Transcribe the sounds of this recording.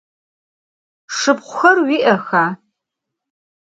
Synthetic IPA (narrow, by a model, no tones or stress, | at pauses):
ʂɨpqʷʊxɐrwiːʔɐxaː